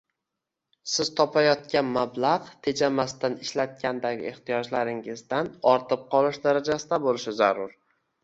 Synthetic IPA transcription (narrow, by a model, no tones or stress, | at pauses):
sɪzt̪ʰɒpʰajɒt̪̚kʲanmablaʁt̪ʰe̞d͡ʒamast̪anɪʃlat̪̚kʲʰand̪aɡʲɪ̰e̞χt̪ijɒd͡ʒlaɾɪŋɪzd̪anɒɾt̪ʰɨp̚qʰɒlˠɪʃd̪aɾad͡ʒasɪd̪abolˠɪʃɪzaɾʊɾ